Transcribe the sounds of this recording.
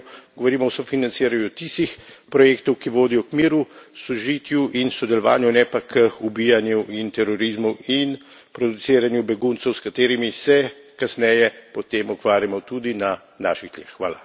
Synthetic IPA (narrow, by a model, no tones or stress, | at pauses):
ɡɔʋɔɾiːmɔwsɔfinant̪siːɾanjut̪ist̪ixpɾɔjeːkt̪ɔwkiʋoːd̪ijɔkmiːɾusɔʒit̪juʔinsɔd̪ɛlɔʋa̰ːnjunɛpakʰəubijanjuʔint̪ɛɾɔɾizmuin | pɾɔd̪usiːɾanjubɛɡunt̪sɛwskat̪eːɾimisɛ | kasnɛjɛpɔt̪eːmukʋaːɾjamɔt̪ud̪ina | naːʃid̪ljexːʋaːla